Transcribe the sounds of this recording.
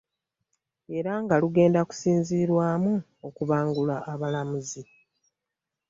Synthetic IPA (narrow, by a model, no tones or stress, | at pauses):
e̞ɾaŋɡaluɡe̞ːndaku̥siːnziːɾwaːmu | okuβaːŋɡulaːβalamuzi